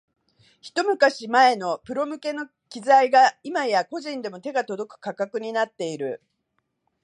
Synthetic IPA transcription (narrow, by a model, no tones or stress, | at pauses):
çi̥t̪o̞mɯ̟kaɕimae̞no̞pɯ̟ɾo̞mɯ̟ke̞no̞ | kʲizaiɡaimajako̞ʑĩnd̪e̞mo̞t̪e̞ɡat̪o̞d̪o̞kɯ̟̥kakakɯ̟ɲ̟inat̪ːe̞iɾɯ̟